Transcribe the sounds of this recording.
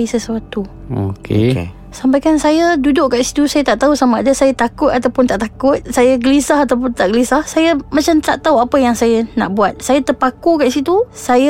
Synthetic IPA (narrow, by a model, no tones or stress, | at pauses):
isəsuat̪u | o̰kʰḛ | sampajkansajədudʊʔkaʔisi̥t̪usajat̪aʔt̪ausamaadasajat̪akʊt̪at̪awpʊnt̪aʔt̪akʊt̪̚sajaɡəlisaɦat̪awp̬ʊnt̪aʔɡəlisahsajəmat͡ʃamt̪aʔt̪auapəjaŋsajana̰ʔbuat̪̚sajat̪əpakukaʔisit̪usajə